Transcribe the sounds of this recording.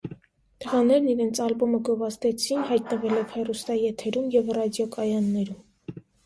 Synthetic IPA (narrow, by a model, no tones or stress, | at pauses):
t̪əʁɑnɛɾniɾɛnt͡sʰɑlbɔməɡɔvɑst̪ɛt͡sʰinɦɑjt̪nəvɛlɛvhɛrust̪ɑjɛt̪ʰɛɾumjɛvrɑd̪jɔkʼɑjɑnːɛɾum